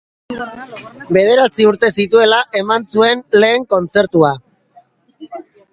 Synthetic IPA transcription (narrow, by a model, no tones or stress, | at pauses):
be̞ð̞e̞ɾat͡siuɾt̪e̞sit̪ue̞laʔe̞mansue̞nle̞ːŋko̞nt͡se̞ɾt̪ua